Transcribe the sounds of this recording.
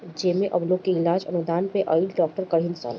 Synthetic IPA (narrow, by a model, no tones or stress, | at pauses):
d͡ʒeːmẽʔɐbloːkːeɪlaːd͡ʒɐ̰nud̪aːnpeʔɐɪlɖɔːk̚ʈəɾkɐɾ̤ɦɪ̃nsa̰ːl